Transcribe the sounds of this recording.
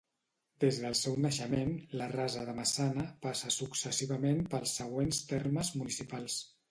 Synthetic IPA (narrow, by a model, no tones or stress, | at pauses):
d̪̥ezðəlˠsɛwnəʃəmenlərazəðəməsanəpasəsuksəsiβəmempəlˠsːəɣwenst̪erməzmunisipalˠs